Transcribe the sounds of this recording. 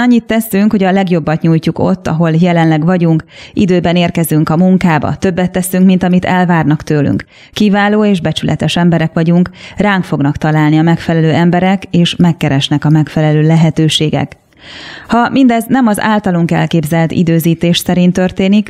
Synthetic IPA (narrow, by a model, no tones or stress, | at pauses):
ɒɲːit̪ːɛsyŋkho̞ɟɒlɛɡjo̞bːɒt̪ɲuːjcuko̰t̪ːɒ̰ɦo̞ljɛlɛnlɛɡʋɒɟuŋkʔid̪øːbɛneːrkɛzyŋkɒmuŋkaːbɒ̰t̪ø̞bːɛt̪ːɛsyŋkmint̪ɒmit̪ɛlvaːrnɒkt̪øːly̰ŋkː | ivaːloːeːʒbɛt͡ʃylʔɛ̰t̪ɛʃɛmbɛɾɛkʋɒɟuŋkraːŋkfo̞ɡnɒkt̪ɒlaːlniɒmɛkfɛlɛløːɛmbɛɾɛkeːʃmɛkːɛɾɛʃnɛkɒmɛkfɛlɛløːlɛɦɛt̪øːʃeːɡɛ̰k | hɒmind̪ɛznɛmɒza̰ːlt̪ɒloŋkɛ̰lkeːbzɛlt̪ḭd̪øːziːt̪eːʃsɛɾint̪ørt̪eːnik